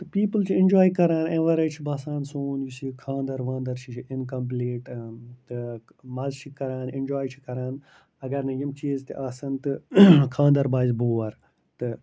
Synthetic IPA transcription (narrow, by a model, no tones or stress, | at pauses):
t̪ɨpiːpəlt͡ʃʰiind͡ʒaːjkɐɾaːnẽːʋɐɾet͡ʃʰibaːsãːnsoːnjisikʰãːnd̪ɐɾʋãːnd̪ɐɾt͡ʃʰit͡ʃʰiɪnkɐmp̬leːʈt̪ɨ | maːzʃikːɐɾaːnẽnd͡ʒaːjt͡ʃʰi̥kɐɾaːn | ɐɡɐɾnɐjimt͡ʃiːzt̪iʔaːsɐnt̪ɨkʰãːnd̪ɐɾbaːzboːɐɾ | t̪ɨ